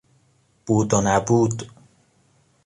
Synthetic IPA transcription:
b̥uːd̪onæbuːd̪

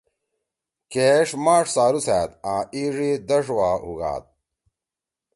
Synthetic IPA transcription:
keʂmaːʂsaːɾusæːt̪ãːiːʐid̪ɐʂwaːhuɣa̰ːt̪̚

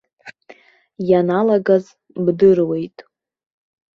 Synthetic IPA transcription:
janalaɡaz | bdɨrwe̞jtʼ

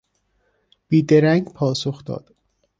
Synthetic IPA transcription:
b̥iːd̪eɾæŋɡpʰɒːsoxd̪ɒ̰ːd̪̥

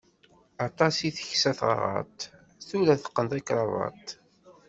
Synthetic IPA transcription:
ɑt̪ˤɑsiθəçsæθʁə̰ʁɑ̰t̪ | θulæθə̥qːənt̪ækɾˤɑvˤɑ̰t̪

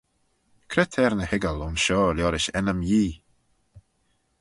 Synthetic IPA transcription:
kʰɾɛt̪ʰɛɾnəhɪɡəlʊnʃɔːljɔɾɪʃɛnəmjiː

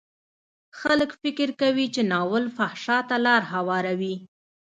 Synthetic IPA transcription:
xaləkfɪkɪɾkawit͡ʃenɑwəlfahʃɑt̪alɑɾhawɑɾawi

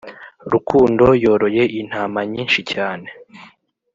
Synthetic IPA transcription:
ɾukʰuːndo̞jo̞ːɾo̞je̞ʔin̥haːmaɲiːnʃicaːne̞

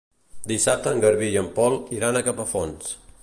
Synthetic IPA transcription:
d̪isap̚t̪əŋɡəɾβijəmpɔlˠiɾanəkapəfons

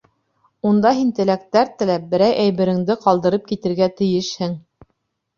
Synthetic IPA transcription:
und̪ɑɦint̪ɘ̆læk̚t̪æɾt̪ɘ̆læp̚bɘ̆ɾæjʔæjβɘ̆ɾɘ̆ŋd̪ɘqɑlˠd̪ɤ̆ɾɤp̚kit̪ɘ̆ɾɡæt̪ɘ̆jɘʃhɘŋ

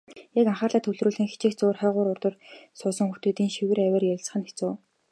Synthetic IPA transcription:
jakaɴχaːrɮaːt̪ʰɵwɮruːɮxĭŋxi̥t͡ɕɪ̆ːkt͡sʊːrχæːʁʊːɾʊrt̪ə̆rsʊːsə̆ŋxuw̥t̪eːt̪iːŋʃiwɘ̆ræwʲæːrjat͡sə̆χə̆nxe̥t͡soː

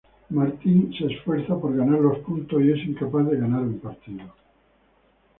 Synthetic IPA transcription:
maɾt̪inse̞ːsfwe̞ɾθapo̞ɾɣanaɾlo̞spunt̪osie̞siŋkapaθðe̞ɣanaɾumpaɾt̪iðo

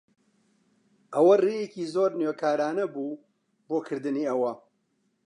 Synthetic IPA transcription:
ʔɐwɐrejeciːzoːɾnjokʰaːɾaːnɐbuː | boːkʰɨɾd̪ɨniːɐwɐ

